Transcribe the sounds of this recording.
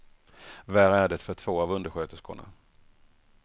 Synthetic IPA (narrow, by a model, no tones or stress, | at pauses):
væːɾæɖɛt̪fœʈʰv̥oːavɵnd̪əɾɧøːt̪əskʊɳa̰